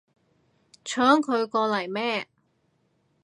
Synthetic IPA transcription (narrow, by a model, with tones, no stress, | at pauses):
t͡ʃʰœː˨˥ŋkʰɵ˨˧ɥkɔː˧lɐ˨˩jmɛː˥